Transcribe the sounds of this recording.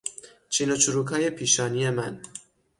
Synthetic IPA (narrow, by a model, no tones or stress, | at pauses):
t͡ʃʰinot͡ʃʰuɾuːkʰɒːje̞pʰiːʃɒːnije̞mæn